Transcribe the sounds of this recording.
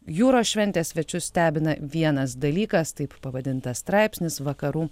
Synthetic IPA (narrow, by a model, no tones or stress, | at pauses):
juːɾoːʃʲʋʲɛnʲt̪ʲeːssʲʋʲɛt͡ʃʲʊssʲt̪ʲæːbʲɪnɐʋʲiɛnɐsd̪ɐlʲiːkɐst̪ɐɪppɐʋɐd̪ʲɪnt̪ɐsst̪ɾɑˑɪpʲsʲnʲɪsʋɐkɐɾuː